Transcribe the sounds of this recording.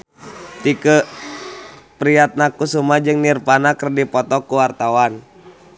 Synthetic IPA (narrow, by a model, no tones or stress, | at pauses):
t̪ikə | pɾiat̪̚nakusumad͡ʒɨŋnirpanakərdipɔt̪ɔkuwart̪awan